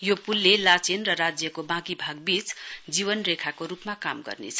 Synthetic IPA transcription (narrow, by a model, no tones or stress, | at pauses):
jopulːelat͡senrʌɾad͡zjʌkobãɡibʱaɡ̚bit͡sd͡zibʌnrekʰakoɾupmakamɡʌ̰rnḛt͡sʰʌ